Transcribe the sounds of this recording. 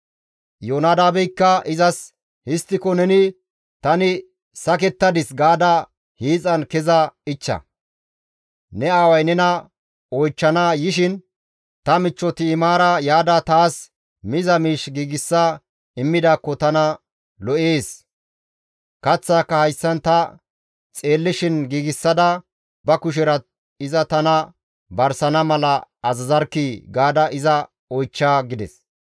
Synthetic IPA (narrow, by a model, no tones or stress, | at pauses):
joːnaːd̪aːbɛjkːɐɪzɐs | hɪst̪ːɪkɔnɛnɪ | t̪ɐnɪ | sɐk̬ɛt̪ːɐd̪ɪsɡaːd̪ɐ | hiːt͡sʼɐnkɛzɐɪt͡ʃːɐ̰ | nɛaːwɐjnɛnɐ | ɔjt͡ʃːɐnaːjɪʃɪn | t̪ɐmɪt͡ʃːɔt̪ɪːmaːɾɐjaːd̪ɐt̪aːs | mɪzɐmiːʃɡiːɡɪsːɐ | ɪmːɪd̪aːkːɔt̪ɐnɐ | lɔʔeːs | kɐt͡sːaːkːɐhɐjsːɐnt̪ɐ | t͡sʼe̞ːlːɪʃɪnɡiːɡɪsːɐd̪ɐ | bɐkʊʃ̬ɪɾɐ | ɪzɐt̪ɐnɐ | bɐɾsɐnɐmɐlɐːzɐzɐɾkːiɡaːd̪ɐʔɪzɐ | ɔjt͡ʃːaːɡɪd̪ɛ̰s